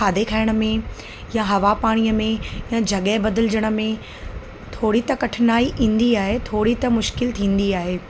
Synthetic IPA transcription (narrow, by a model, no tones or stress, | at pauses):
aːd̪ekʰaːɪɽ̃ə̆mẽ | jaɦɐʋapaːɽ̃ijəmẽjãd͡ʑʱɐɠɛbɐd̪ɪlɪd͡ʑəɽ̃ə̆mẽ | t̪ʰoːɽit̪ɐkɐʈʰɪnaːiʔĩːn̆d̪iaːɦet̪ʰoːɽit̪ɐmʊʃkɪlt̪ʰĩːn̆d̪iaːɦeː